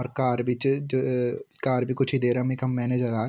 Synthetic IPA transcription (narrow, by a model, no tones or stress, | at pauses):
ɔɾkaːɾbɪt͡ʃ | kaːɾbʱikʊt͡ʃʰid̪eːɾamekɦɐmːɛːneːd͡ʒəɾaː